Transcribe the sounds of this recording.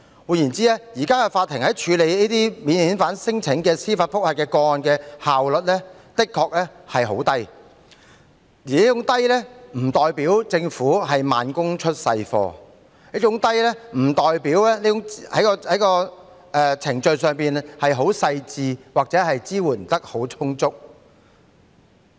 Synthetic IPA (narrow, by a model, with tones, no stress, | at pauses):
wuː˨˧jiː˨˩nt͡siː˥ɛː˥jiː˨˩kaː˥kɛ˧faː˧t̪̚ʰːɪ˨˩ŋhɐ˨˥jt͡ʃʰyː˨˧le˨˧jniː˥t̪iː˥miː˨˧nhiː˨˥nfaː˨˥nsɪ˥ŋt͡sʰɪ˨˥ŋkɛː˧siː˥faː˧t̚fʊ˥k̚hɐ˨˧kɛː˧kɔː˧ɔ˨nkɛː˧haː˨wlɵ˨t̚lɛː˥ | t̪ɪ˥kʰːɔː˧k̚lɛː˥hɐ˨jɦo̰˨˥wt̪ɐ˥j | jiː˨˩niː˦˥t͡ʃʊ˨˥ŋt̪ɐ˥jlɛː˥m̩˨˩t̪ɔː˨jpiː˨˥wt͡sɪ˧ŋfuː˨˥ɦɐ˨jmaː˨nkʊ˥ŋt͡ʃʰɵ˥t̚sɐ˧jfɔ̰ː˧ | jɐː˥t͡ʃʊ˨˥ŋt̪ɐ˥jlɛː˥m̩˨˩t̪ɔː˨jpiː˨˥wlɛː˥ne˦˥jʊ˨˥ŋhɐ̰˨˥jkɔː˧hɐ˨˥jkɔː˧ | ʔɛː˧t͡sʰɪ˨˩ŋt͡ʃɵ˨˧ɥsœː˨ŋpiː˨nhɐ˨jɦo˨˥wsɐ˧jt͡siː˨˧waː˨k̚t͡sɛː˨˥ɦɐ˨jt͡siː˥wuː˨˩n̩˨˩t̪ɐ˥k̚ho˨˥wt͡sʰʊ˥ŋt͡sʊ˥k̚